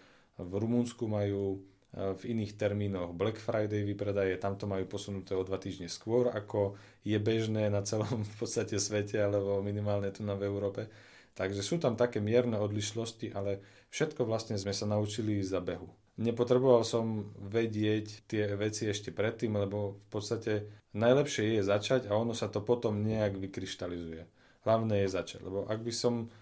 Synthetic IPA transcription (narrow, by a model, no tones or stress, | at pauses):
vɾumunskumajuː | viniːxt̪ɛɾmiːnɔɣblɛkfɾajd̪ɛjʋipɾɛd̪ajɛt̪amt̪ɔmajuːpɔsunut̪ɛːɔd̪ʋat̪iːʒɲɛskʋʊɔɾa̰kɔ | jɛbɛʒnɛːnat͡sɛlɔmfpɔt̪st̪acɛsʋɛcɛalɛbɔminimaːlɲɛt̪unavɛuɾɔːpɛ | t̪aɡʒɛsuːt̪amt̪akɛːmɪɛɾnɛɔd̪liʃlɔsciʔalɛ | fʃɛt̪kɔʋlast̪ɲɛzmɛsanaut͡ʃilizabɛɦu | ɲɛpɔt̪ɾɛbɔʋalsɔmʋɛɟɪɛct̪ːɪɛʋɛt͡siɛʃcɛpɾɛt̪ːiːmlɛbɔfpɔt̪st̪acɛnajlɛpʃɪɛjɛzat͡ʃaɟaɔnɔsat̪ɔpɔt̪ɔmɲɛaɡʋikɾiʃt̪alizujɛ | ɦlaʊnɛːjɛzat͡ʃa̰ɟlʔɛ̰bɔʔaɡbisɔm